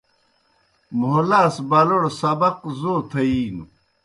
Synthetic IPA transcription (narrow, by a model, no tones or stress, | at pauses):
muɦolaːsbɐloɽsɐbɐqzoːt̪ʰɐiːnu